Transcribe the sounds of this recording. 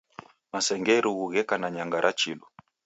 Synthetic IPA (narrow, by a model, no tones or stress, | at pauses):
masɛŋɡɛɾuɣuɣɛkanaɲaŋɡaɾʔat͡ʃiɗu